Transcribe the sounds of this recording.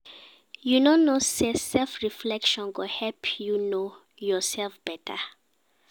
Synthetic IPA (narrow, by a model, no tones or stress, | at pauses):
junonosesɛlfɹiflɛkʃɔ̃nɡohɛlpʰjuno | jɔsɛlfb̥ɛtʰa̰